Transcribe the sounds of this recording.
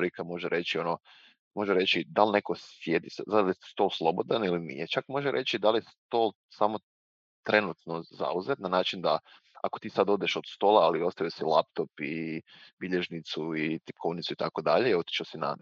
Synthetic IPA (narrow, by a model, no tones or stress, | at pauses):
ɾikamoʒeɾʔe̞t͡ɕio̞no | mo̞ʒeɾet͡ɕid̪alne̞ko̞sjed̪isad̪aljest̪o̞lˠslˠo̞bo̞d̪anilinḭjet͡ʃakmo̞ʒeɾʔe̞t͡ɕid̪aljest̪o̞ːl | samo̞ | t̪ɾe̞nut̪noza̰uze̞t̪nanaːt͡ʃind̪a | a̰ko̞t̪iːsad̪o̞ːd̪eʃod̪̥st̪o̞ːlaalio̞st̪ajosilˠap̚t̪o̞pibiʎeʒnit̪suit̪i̥pkʰo̞ʋnit̪suit̪ako̞d̪aʎeot̪i̥t͡ʃasina̰